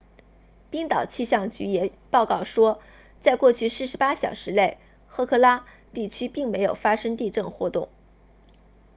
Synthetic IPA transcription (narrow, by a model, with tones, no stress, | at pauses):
pi˥ŋt̪ɑ˨˩ʊt͡ɕʰi˥˧ɕjɑ˥˩ŋt͡ɕy̰˧˥jɛ˨˩pɑ˥˧ʊkɑ˥˩ʊʂwɔ˥ | t͡sa˥˧ɪkwɔ˥˧t͡ɕʰy˥˧sɹ̩˥˩ʂɻ̩˧˥pa˥ɕjɑ˨˩ʊʂɻ̩˧˥le˥˩ɪ | xɤ˥˧˩kʰɤ˥˩la˥ | t̪i˥˩t͡ɕʰy˥pi˥˩ŋme˧˥ɪjo˨˩ʊfa˥ʂɤ˥ŋt̪i˥˧ʈ͡ʂɤ˥˩ŋxwɔ˧˥t̪ʊ˥˩ŋ